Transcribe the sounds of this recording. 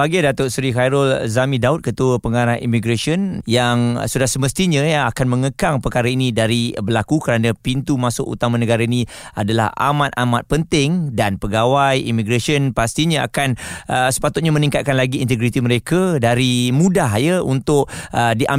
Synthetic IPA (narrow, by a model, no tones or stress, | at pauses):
aɡajdat̪ʊsɾikajɾʊlzamĩdaʊt̪̚kət̪uəpəŋaɾaɦḭmiɡɾaʃiənjaŋsudahsəməst̪iɲə̃akanmə̃ŋəkaŋpərkaɾainĩdaɾibəlakukəɾanãpint̪umasʊkṵt̪amãnəɡaɾainĩa̰dala̰ha̰mãt̪̚a̰mat̪̚pənt̪ɪŋdanpəɡawajḭmiɡɾasiənpast̪iɲãa̰kanəsə̥pat̪ʊt̪̚ɲamə̃nĩŋkat̪̚kanlaɡiːnt̪əɡɾit̪iməɾekadaɾimũdaɦjəunt̪ʊk̚ədiʔa